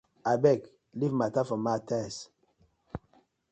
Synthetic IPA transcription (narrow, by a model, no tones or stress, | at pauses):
abɛk | livmatafɔmatɛs